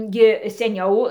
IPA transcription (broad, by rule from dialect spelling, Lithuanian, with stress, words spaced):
ˈɡʲɪ sʲɛˈnʲɛʊ